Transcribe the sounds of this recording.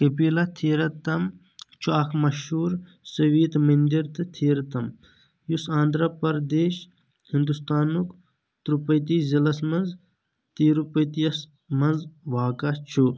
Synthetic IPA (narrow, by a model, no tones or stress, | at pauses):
kɐpiːlɐt̪ʰiːɾɐt̪ɐm | t͡ʃʰuaːkʰmɐʃuːɾ | sɐʋiːt̪mɐnd̪iɾt̪ɨt̪ʰiːɾt̪ɐm | jusãːnd̪ɾɐpɐɾd̪eːʃ | hind̪ust̪aːnuk | t̪ɾupɐjt̪iːszɐlɐsmɐnz | t̪iːɾupɐjt̪ijɐs | mɐnzʋaːkɐt͡ʃʰu